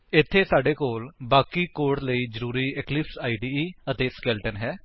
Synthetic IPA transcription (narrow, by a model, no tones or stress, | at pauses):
ɪt̪ʰːeːsaːɖeːkoːlbaːkiːkoːʈləiːd͡ʒəɾuːɾiːɛklɪpsaːiːɖiːət̪eːskɛːlʈənɦɛː